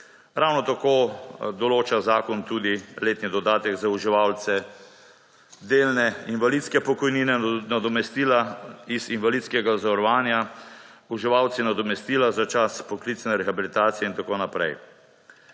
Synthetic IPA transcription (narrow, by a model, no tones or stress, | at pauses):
ɾawnɔt̪akoːd̪ɔloːt͡ʃazaːkɔnt̪ud̪ileːt̪nid̪ɔd̪aːt̪ɛɡzauʒiʋalt̪sɛ | d̪eːlnɛinʋalit̪skɛpɔkɔjniːnɛnad̪ɔmɛst̪ilaizinʋalit̪skɛɡazɔɾɔʋaːnja | uʒiʋawt̪sinad̪ɔmɛst̪iːlazat͡ʃaspɔklit̪snɛɾɛxabilit̪aːt̪sijɛint̪akoːnapɾɛ̰j